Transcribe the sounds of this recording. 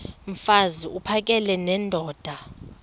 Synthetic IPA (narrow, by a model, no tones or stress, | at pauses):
ɱ̩faziupʰak̬ʼɛlɛnɛndʱɔːd̥ʱa